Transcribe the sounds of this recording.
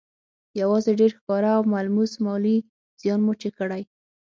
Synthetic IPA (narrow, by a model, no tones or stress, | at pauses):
jawɑzeɖeɾxkɑɾaːwmalmusmɑli | z̥jɑnmot͡ʃekəɽaj